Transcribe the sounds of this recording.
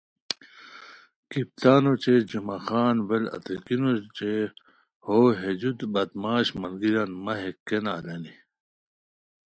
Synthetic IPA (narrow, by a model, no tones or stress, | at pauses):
kip̚t̪aːnot͡ɕed͡ʑumaxaːnwelɐ̰t̪ikinot͡ɕe | hoːɦed͡ʑut̪bɐt̪maːɕmɐlɡiɾanmɐɦekːenaːleni